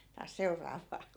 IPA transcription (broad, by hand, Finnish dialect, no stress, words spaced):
tɑːs seu̞rˑɑːʋˑɑː